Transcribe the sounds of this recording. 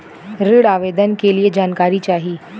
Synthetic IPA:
ɾiɽaʋed̪ənkelijed͡ʑankaɾit͡ɕaɦiː

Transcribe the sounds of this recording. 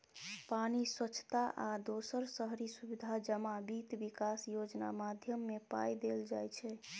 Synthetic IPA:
paniswət͡ʃʰt̪aʔad̪osəɾsəɦɾisubid̪ʱad͡ʒəmabit̪bikasjod͡ʒna̰mad̪ʱjəmːepa̰jd̪eld͡ʒajt͡ʃʰɛ

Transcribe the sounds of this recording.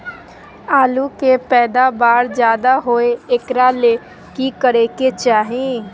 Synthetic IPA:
aːlukepɛːd̪abaːɾd͡ʒjaːd̪aɦoːeɪkɾale | kikəɾeket͡ʃaːɦẽ

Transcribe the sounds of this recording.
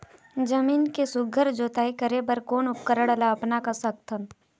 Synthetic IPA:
d͡ʒɐmiːnkesʊɡʱəɾd͡ʒoːt̪aːikəɾebəɾkoːnʊp̚kəɾəɽəlaɐpnakasɐk̚t̪ʰəm

